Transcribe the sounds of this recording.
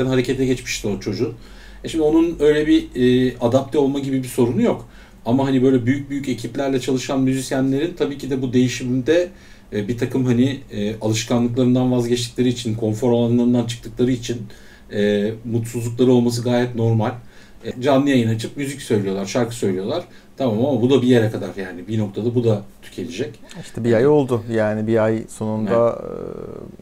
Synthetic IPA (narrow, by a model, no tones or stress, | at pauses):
ænhaɾecʰɛt̪ʰːɛɟɛt͡ʃmi̥ʃt̪ot͡ʃʰo̞d͡ʒu | ʃimd̪io̞nunø̞jlʲɛbiːad̪ap̚t̪ʰɛo̞lˠmaɟibibiso̞ɾunujo̞k | amaɦanibø̞jlʲɛbyjyc̚byjyce̞cʰiplʲæɾlʲɛt͡ʃʰalˠɯʃanmyzisjænlʲe̞ɾint̪ʰabiːcid̪ɛbud̪e̞jiʃimimd̪ɛ | bit̪ʰakɯmɦaniɛːʔalˠɯʃkʰanlˠɯklˠaɾɯnd̪anvazɟɛt͡ʃt̪ʰicʲlʲe̞ɾiit͡ʃʰinkʰo̞nfo̞ɾalˠanɯnˠaɾɯnd̪ant͡ʃʰɯ̥k̚t̪ʰɯk̚lˠaɾɯit͡ʃʰin | ɛːmut̪suzlˠuklˠaɾɯo̞lˠmas̬ɯɡaːjɛt̪no̞ɾmalʲ | d͡ʒanːˠɯjajɯnat͡ʃʰɯp̚myzycsø̞jlʲijo̞lˠaɾʃaɾkʰɯ̥sø̞jlʲijo̞lˠaɾ̥ | t̪ʰamaːmaamabud̪abijeɾɛkʰad̪a̰ɾjaːnibino̞kt̪ʰad̪abud̪at̪ʰy̥cʰe̞lʲid͡ʒɛciʃʰɛbiajo̞lˠd̪ʊjaːnibiajso̞nund̪a